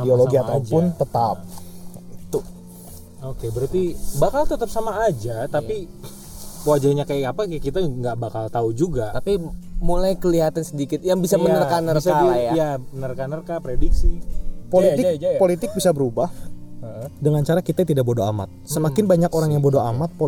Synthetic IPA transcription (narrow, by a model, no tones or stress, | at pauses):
idioloɡiat̪awpʊnt̪ət̪ap̚it̪u | okebəɾart̪ibakalt̪ət̪ap̚samaːd͡ʒat̪api | powad͡ʒarɲakajakapakit̪aŋɡaʔbakalt̪aud͡ʒuɡat̪apimulajkəliɦat̪ansədikɪt̪̚jaŋbisamənnərkanərsalajajamənərkanərkapɾediksipoliɪkpolit̪ɪk̚bisabəɾubahədəŋant͡ʃaɾakit̪at̪idaʔbodoa̰ma̰t̪̚səmakɪnbaɲakoɾaŋjaŋbodoamat̪̚po